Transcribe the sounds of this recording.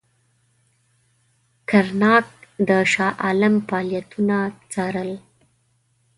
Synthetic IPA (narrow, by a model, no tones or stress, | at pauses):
kaɾnɑk̚d̪əʃɑʔalamfɑljat̪unat͡sɑɾəl